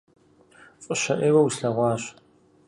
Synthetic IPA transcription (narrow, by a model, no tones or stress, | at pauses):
fʼɨɕɐʔeːwɐwusɬɐʁʷɑːɕ